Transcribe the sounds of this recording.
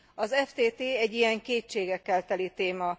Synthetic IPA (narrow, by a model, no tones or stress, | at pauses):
ɒzɛft̪eːt̪eːɛɟːijɛŋkeːt͡ʃeːɡɛkːɛlt̪ɛlit̪eːmɒ